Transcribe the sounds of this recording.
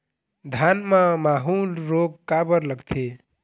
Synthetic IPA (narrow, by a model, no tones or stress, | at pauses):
d̪ʱanməmaɦulɾoɡkabəɾləɡt̪ʰe